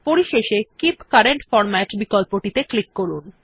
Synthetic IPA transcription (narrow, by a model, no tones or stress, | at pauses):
poɾiʃeʃekipkaɾeɳʈfɔɾmɛʈbikolpoʈit̪eklikːoɾun